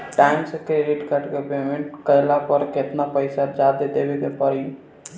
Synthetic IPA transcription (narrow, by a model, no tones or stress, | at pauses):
ʈaːɪmsekɾeɖɪʈkəʈkepeːmẽɳʈkəjlapəɾkɪt̪napəɪsad͡ʒad̪ed̪eːbekepəɾi